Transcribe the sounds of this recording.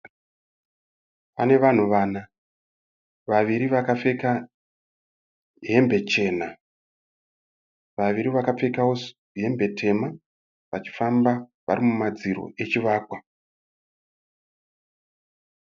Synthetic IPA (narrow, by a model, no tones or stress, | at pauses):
pane̞ʋan̤uʋaːna | ʋaʋiɾiʋakafe̞ka | ɦe̞mbe̞t͡ʃe̞ːna | ʋaʋiɾiʋakap͡fe̞kawo̞s | ɦe̞mbe̞tʰe̞ma | ʋat͡ʃi̥fambaʋa̰rimumad͡ziɾo̞̰ʔe̞t͡ʃiʋaːkwa